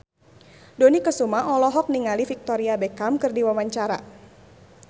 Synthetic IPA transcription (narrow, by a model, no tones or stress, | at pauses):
dɔnikəsumaʔɔlɔɦɔk̚niŋalifik̚t̪ɔɾiabɛkamkɨrdiwamaɲt͡ʃaɾa̰